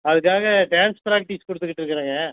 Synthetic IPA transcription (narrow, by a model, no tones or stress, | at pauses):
ɐðɯkːaːɣɐɖaːnspɾaːk̚ʈiskɔɽɯt̪ːɯkːɪʈːɪɾɯkːɪɾãːŋɡɐ